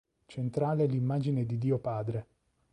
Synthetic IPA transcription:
t͡ʃent̪ɾaːlelimːaːd͡ʒined̪id̪iːopaːd̪ɾe

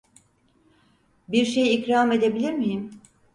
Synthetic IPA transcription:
biɾʃe̞jicɾaːme̞d̪e̞bilʲiɾmijim

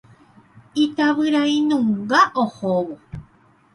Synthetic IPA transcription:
it̪aβɨɾaĩnũŋɡaʔohoβo

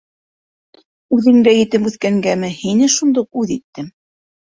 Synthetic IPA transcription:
ʉðɘ̆ŋd̪æjɘ̆t̪ɘpʉθkæŋɡæmɘhinɘʃund̪ɤq̚ʉðit̪ːɘm

